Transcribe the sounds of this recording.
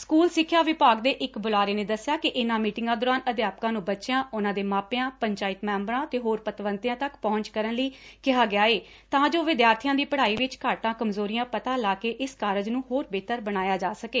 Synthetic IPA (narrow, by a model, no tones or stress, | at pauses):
skuːlsɪkʰːjaːʋɪpaːɡd̪eːʔɪkbʊlaːɾeːneːd̪əsjaːkɪʔɪnãːmiːʈɪŋɡãːd̪oːɾaːnəd̪jaːp̚kãːnũːbəʃɪjãːʊnãːd̪eːmaːpejãːpəɲt͡ʃaːɪt̪mɛ̃ːmbəɾãːt̪eːɦoːɾpət̪ʋənt̪jãːt̪əkpɔʊ̃ɲt͡ʃkəɾənləiːkɪɦaːɡɪjaːeː | t̪ãːd͡ʒoːʋɪd̪jaːɾt̪ʰɪjãːd̪iːpəɽaːiːʋɪt͡ʃkaːʈãːkəmzoːɾijãːpət̪aːlaːkeːʔɪskaːɾəd͡ʒnũːɦoːɾbeːt̪əɾbəɽ̃aːjaːd͡ʒaːsəkeː